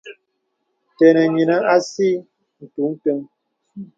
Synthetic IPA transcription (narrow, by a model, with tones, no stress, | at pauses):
tɛ˨nɛ˨ɲi˨na˦a˦si˦ | n̩˨tu˨˦ŋ̩˦tə˦ŋ